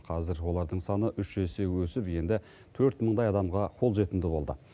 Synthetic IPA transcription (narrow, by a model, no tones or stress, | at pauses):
qʰɑzɪɾwo̞lˠɑɾd̪əɴsɑnəʔʏʃʒese̞wɵsɪpje̞nd̪ɪ | t̪ʰɵɾt̪məɴd̪ɑjɑd̪ɑmʁɑqʰo̞lˠʒe̞t̪ɪnd̪ɪbo̞lˠd̪ə